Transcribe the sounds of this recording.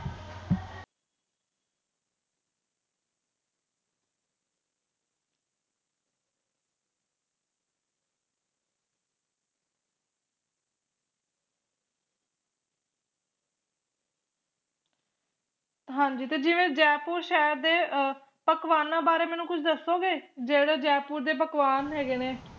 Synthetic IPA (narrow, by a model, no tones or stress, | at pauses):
ɦãːɲd͡ʒiːt̪eːd͡ʒɪʋẽːd͡ʒɛːpuːɾʃɛːɾd̪eː | pəkʋaːnːãːbaːɾeːmɛːnũːkʊt͡ʃʰd̪əsːoːɡeːd͡ʒeːɽoːd͡ʒɛːpuːɾd̪eːpəkʋaːnɦɛːɡeːneː